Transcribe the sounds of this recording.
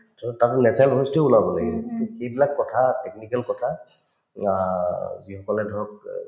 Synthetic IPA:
tɔtatnɛt͡ʃalʱostioulabɔla̰ɡɛxejbilakːɔtʰatɛknikɛlkɔtʰa | zixɔkɔlɛdʱɔɹɔk̚

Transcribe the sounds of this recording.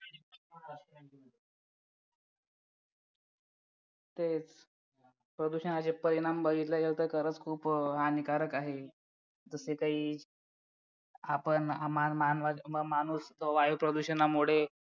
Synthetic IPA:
t̪et͡s | pɾəd̪uɕənat͡ɕepəɾiɽ̃ambʱəɡʱit̪lajelt̪əɾkəɾət͡skʰuːpɦanikaɾəkaɦe | d͡zəsekaɦiː | apəɳamamanʋaəmañuːsʋajupɾəd̪uɕənamuɽ̤e

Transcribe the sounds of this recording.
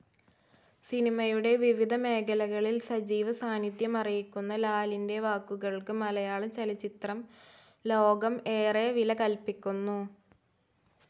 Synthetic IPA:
sinimɐjuɽe̞ʋiʋid̪ʱɐme̞ːkʰɐlɐɣɐɭilsɐd͡ʑiːʋɐsaːnid̪jɐmɐrijikʲːunːɐlaːlinde̞ʋaːkːuɣɐɭkɨmɐlɐjaːɭɨmt͡ɕelɐt͡ɕːit̪rɐm | lo̞ːɡɐme̞ːreʋilɐkɐlpikʲːunːu

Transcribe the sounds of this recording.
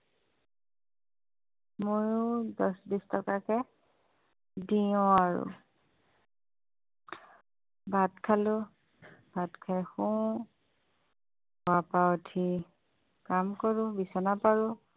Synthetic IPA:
mojʊdɔsbistʰɔkakɛ | diʊ̃aɹʊ̰ | batkʰalʊ | badkʰajxũ | ɔapaɔtʰi | kamkɔɹʊ̃bisɔnapaɹʊ̃

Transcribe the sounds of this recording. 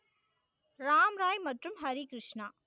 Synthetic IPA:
ɾaːmɾaːjmɐʈrumɦɐɾikɾɪʂɳaː

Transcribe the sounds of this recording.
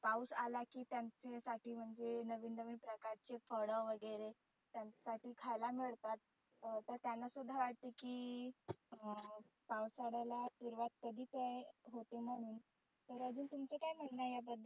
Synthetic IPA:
pawsalakiːt̪jant͡sesaʈʰiːm̤əɳd͡zenəʋiːnd̪əʋiːnpɾəkaɾt͡ɕefəɽəʋʋəɡəɾe | t̪jasaʈiːkʰajlamiɭt̪at̪̚ | t̪əɾt̪janːasud̪ʱːaʋaʈ̚t̪ikiː | pawsaɽalatuɾʋat̪̚kəd̪ʱiːt̪ejɦot̪em̤əɽ̃uːn | t̪əɾəd͡zuːnt̪umt͡sekajm̤ənnajabəd̪ʱː

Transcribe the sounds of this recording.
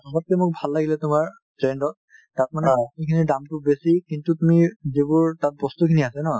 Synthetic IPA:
ɔmat̚kɛmʊk̚bʱalːaɡilɛtʊmaɹ | tɹendɔt̚ | tat̚manɛkikʰinidamtubesikintutumizibʊɹtat̚bɔst̪ukʰiniasɛnɔ

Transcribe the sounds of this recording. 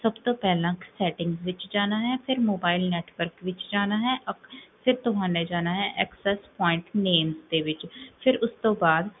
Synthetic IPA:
səbt̪õːpɛːlãːksɛːʈɪ̃ŋɡzʋɪt͡ʃd͡ʒaːnaːɦɛːpʰɪɾmoːbaːɪlnɛːʈʋəɾkʋɪt͡ʃd͡ʒaːnaːɦɛːʔəpʰɪɾt̪ʊɦaːnẽːd͡ʒaːnaːɦɛ̃ːʔɛːksɛːspɔːɪ̃ɳʈneːmzd̪eːʋɪt͡ʃpʰɪɾʊst̪õːbaːd̪

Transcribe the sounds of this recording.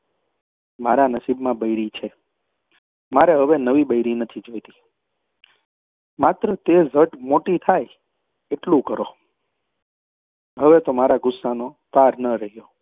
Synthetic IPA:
maɾanəsibmãbəjɾit͡ʃʰe | maɾeɦəʋenəʋibəjɾinət̪ʰid͡ʒojt̪i̥ | mat̪ɾət̪ezəʈmoʈit̪ʰaj | eʈlũkəɾo | ɦəʋet̪omaɾaɡʊsːano | paɾnəɾəɦijo

